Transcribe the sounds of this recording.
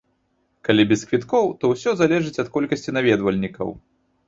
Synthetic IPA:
kalʲibʲɛskvʲit̪kɔwt̪ɔwsʲɔzalʲɛʐɨt͡sʲɐt̪̚kɔlʲkɐsʲt͡sʲinavʲɛd̪vɐlʲnʲikɐ̰w

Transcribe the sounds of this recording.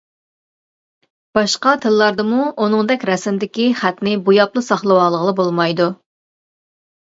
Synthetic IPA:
b̥ɑʃqɑt̪ʰɨlːɑɾd̪ɨmuunɨŋd̪ɛkʲɾɛsɪmd̪ɪkʲiχæt̪nɪbujɑplˠɨsɑχlˠəwɑːlˠəʁəlˠɨbolˠmɑjd̪u

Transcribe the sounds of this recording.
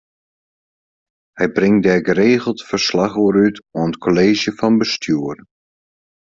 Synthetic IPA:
hɛjbrɪŋdɛɡəɾeːɣəl̩ˠtfərslaχoːɾytɔənkʰoleːʒjəfɑnbəstʰyər

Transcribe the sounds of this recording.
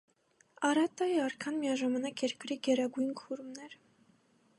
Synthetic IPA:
ɑɾɑt̪ːɑjɛɑɾkʰɑnmijɑʒɑmɑnɑkjɛɾkɾiɡɛɾɑɡujnkʰuɾmnɛɾ

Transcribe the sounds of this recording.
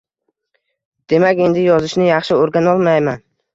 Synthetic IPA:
d̪̥e̞makʲe̞nd̪ɪjɒzɪʃnɪjɑχʃɪoɾɡʲanɒlˠmajman

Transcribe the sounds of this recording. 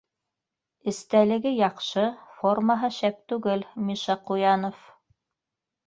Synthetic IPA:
ɘ̆st̪ælɘ̆ɡɘjɑqʃɤformaɦɤʃæp̚t̪ʉɡɘlmʲiʃɑqujɑnof

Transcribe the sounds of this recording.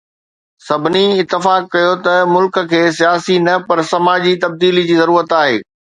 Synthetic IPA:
sɐbʱɪniɪt̪ːɪfaːkːɐjot̪ɐmʊlk̆kʰeːsijaːsinɐpɐɾsɐmaːd͡ʑit̪ɐb̚d̪iːlid͡ʑiːzɐɾuːɾət̪aːɦḛː

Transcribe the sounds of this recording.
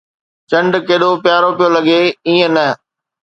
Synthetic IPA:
t͡ɕɐ̃ɳɖkeːɗopjaːɾopijolɐɡeiːə̃nɐ

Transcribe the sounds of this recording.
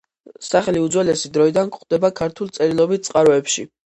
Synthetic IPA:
saχɛliud̪zwɛlɛsid̪ɾɔid̪ankχd̪̥ɛbakʰaɾt̪ʰulˠt̪sʼɛɾilˠɔbit̪̚tsʼqʼaɾɔɛpʃḭ

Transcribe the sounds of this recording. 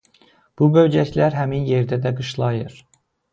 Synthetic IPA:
b̥ubøwd͡ʒɛcʰʲlæɾɦæminjeɾd̪ɛd̪ɛɡɯʃlˠɑjɯɾ

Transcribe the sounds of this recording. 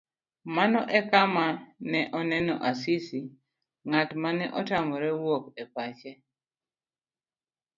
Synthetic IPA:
manɔʔɛkamanɛʔɔnɛnɔʔasisi | ŋatmanɛʔɔtamɔɾɛwokɛpat͡ʃɛ

